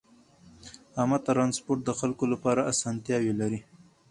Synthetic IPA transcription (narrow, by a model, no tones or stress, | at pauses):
amɑt̪ɾɑnspoɾʈ̪̚d̪əxalkolapɑɾaasɑnt̪jɑwelaɾi